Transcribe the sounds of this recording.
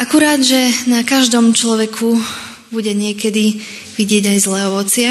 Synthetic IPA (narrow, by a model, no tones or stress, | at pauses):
ʔakuɾaːd̪ʒɛnakaʒd̪ɔmt͡ʃlɔʋɛkʰu | buɟɛɲɪɛkɛd̪i | ʋiɟɪɛɟajzlɛːɔʋɔt͡sɪa